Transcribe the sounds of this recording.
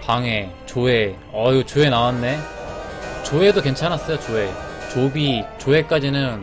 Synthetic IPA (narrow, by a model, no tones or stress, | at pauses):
paŋe̞ | t͡ɕoe | ʌiɡot͡ɕoe̞nawanːe | t͡ɕoe̞doke̞nt͡ɕʰanas͈ʌjot͡ɕoe̞ | t͡ɕobit͡ɕoe̞k͈ad͡ʑinɯn